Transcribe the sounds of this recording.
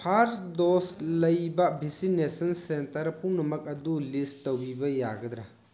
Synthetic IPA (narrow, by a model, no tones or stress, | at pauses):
pʰaɾsdoslɐjbɐbʱisinesɐnsentɐɾpuwnɐmɐk̚ɐdulistowbibɐjaɡɐd̪ɾa